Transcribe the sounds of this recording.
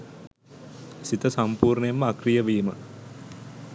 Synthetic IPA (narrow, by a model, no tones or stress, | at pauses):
sit̪əsampuːɾnəjemːəakrijəʋiːmə̰